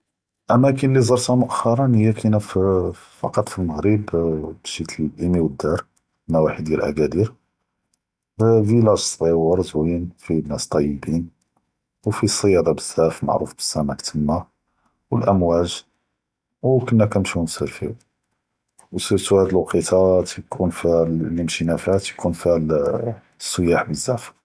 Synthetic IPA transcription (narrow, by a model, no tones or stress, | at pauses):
ʔæmækənlizˤɑɾˤt̪æmʊʔæxːɑɾˤɑnhəjːækinæf | fɑ̰qɑt̪ˤfilməɣɾibbʃit̪əlʔimiwəd̪ːɑɾˤ | mæwaħid̪jælʔæ̰ɡæd̪iɾ | vilæʒsˤbiwɑɾˤzwinfinːæst̪ˤːɑjːəbin | wfisˤːəjɑd̪ˤɑbəz̥ːæfma̰ʕɾṵfb̥ə̥sːæmækt̪ʰəmːa | wəlʔəmwæʒ | wkənːækæmʃinsəlfiw | wssuhæd̪lwqit̪ʰɑt̪jkʰunfilləmʃinæfæt̪jkʰunfil | sˤːəjaħbəzːæf